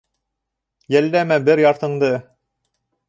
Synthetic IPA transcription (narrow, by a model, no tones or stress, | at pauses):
jælːæmæbɘɾjɑɾt̪ɤ̆ɴd̪ɤ